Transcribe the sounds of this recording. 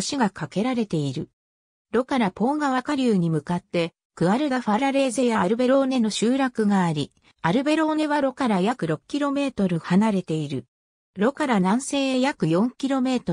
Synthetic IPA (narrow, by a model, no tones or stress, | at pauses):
ɕiɡakake̞ɾaɾe̞t̪e̞iɾɯ̟ | ɾo̞kaɾapo̞ːɡaβakaɾʲɯːɲ̟imɯ̟kat̪ːe̞ | kɯ̟βaɾɯ̟ɡaɸaɾaɾe̞ːze̞jaːɾɯ̟be̞ɾo̞ːne̞no̞ɕɨːɾakɯ̟ɡaːɾʲi | aɾɯ̟be̞ɾo̞ːne̞βaɾo̞kaɾajakɯ̟ɾo̞kɯ̟̥kʲiɾo̞me̞ːt̪o̞ɾɯ̟hanaɾe̞t̪e̞iɾɯ̟ | ɾo̞kaɾanãɰ̃se̞ːejakɯ̟jõ̞ŋkʲiɾo̞me̞ːt̪o̞